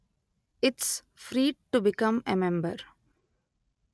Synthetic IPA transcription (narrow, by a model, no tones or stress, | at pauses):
ɪʈs | fɾiːɖ̚ʈubɪkʌ̃memɛ̃mbəɾ